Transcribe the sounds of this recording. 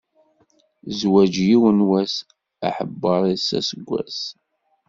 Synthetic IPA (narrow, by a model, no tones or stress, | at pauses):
zwæd͡ʒjiwənwæs | a̰ħəbːəɾˤisæ̰səɡʷːæ̰s